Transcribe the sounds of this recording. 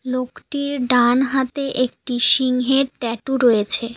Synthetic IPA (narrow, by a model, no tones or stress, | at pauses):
lokʈiɾɖanɦat̪eʔek̚ʈiʃiŋɦeɾʈɛʈuɾojet͡ɕʰe